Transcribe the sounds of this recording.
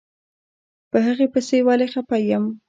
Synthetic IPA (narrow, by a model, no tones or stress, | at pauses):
pəɦəɣepəsewalexapajəm